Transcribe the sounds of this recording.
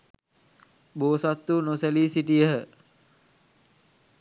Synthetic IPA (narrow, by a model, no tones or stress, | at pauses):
boːsat̪ːunoselisiʈijəɦə